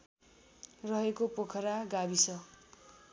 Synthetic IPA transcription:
rʌɦekopokʰʌɾaɡabisʌ

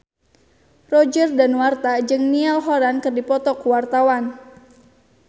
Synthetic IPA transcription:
rɔd͡ʒərdanwart̪ad͡ʒɨŋnialɦɔɾankɨrdipɔt̪ɔkuwart̪awan

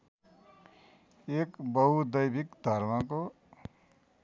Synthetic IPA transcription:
ekbʌɦud̪ʌjbikd̪ʱʌɾmako

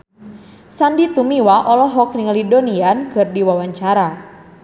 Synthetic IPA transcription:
sandit̪umiwaʔɔlɔɦɔkniŋlidoniankɨrdiwawaɲt͡ʃaɾa

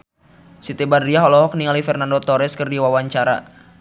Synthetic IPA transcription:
sit̪ebadiaɦɔlɔɦɔk̚niŋalifɛrnandot̪ɔɾɛskərdiwawaɲt͡ʃaɾa̰

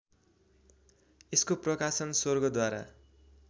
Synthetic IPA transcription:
eskoprʌkasʌnsorɡʌd̪waɾa̰

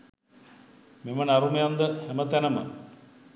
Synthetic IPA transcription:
memənaɾumejand̪əhɛmət̪ænəmə

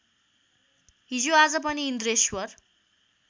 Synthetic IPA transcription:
ɦid͡zoad͡zʌp̬ʌniːnd̪ɾeswʌr

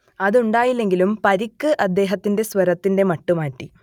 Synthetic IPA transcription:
ɐðuɳɖaːjilːe̞ŋɡilumpɐɾikːɨʔɐd̪ːe̞ːɦɐt̪ːinde̞sʋɐɾɐt̪ːinde̞mɐʈːumaːʈːi

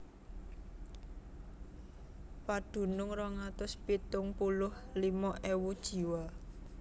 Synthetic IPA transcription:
paɖ̪̥ṳnʊŋrɔŋat̪ʊspit̪ʊŋpulʊhlimɔʔewud̥ʒ̥i̤wa

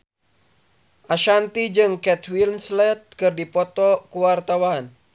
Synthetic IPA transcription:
ʔaʃant̪id͡ʒɨŋkɛt̪wilnslɛt̪̚kɨrdipɔt̪ɔkuwart̪awan

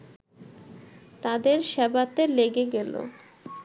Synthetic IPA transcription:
t̪ad̪eɾʃɛbat̪eleɡeɡelo̰

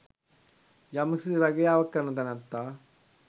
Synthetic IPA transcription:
jɐmɐsiɾɐɡɐjaːʋɐkːɐnɐd̪ɐnɐnt̪ːa

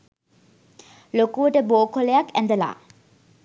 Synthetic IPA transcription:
lokuʋəʈəboːkoləjakæ̃nd̪əla̰ː

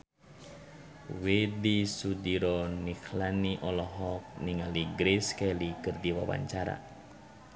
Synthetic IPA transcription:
wedisudiɾɔniklaniʔɔlɔɦɔk̚niŋaliɡɾeskɛlikɨrdiwa̰wa̰ɲt͡ʃaɾa̰

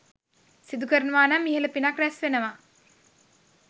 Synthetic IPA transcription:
sid̪ukəɾənuʋaːnamːiɦeləpinakɾɛsʋenəʋa

